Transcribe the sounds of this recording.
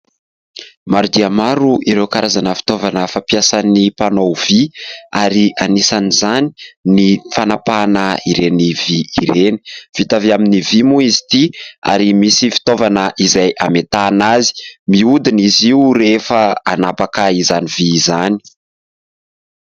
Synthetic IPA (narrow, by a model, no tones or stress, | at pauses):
maɾud̪iamaɾuʔiɾewkaɾʔazanəfi̥t̪ovanəfapiasanipanowv̥iaɾiʔanisanizani̥nifanapanəiɾeniviːɾeni̥v̥it̪aviaminivimuizi̥t̪ia̰ɾimisifi̥t̪ovanəʔizajʔamet̪aːnazi̥miud̪iniziuɾefəanapakaizanivizani̥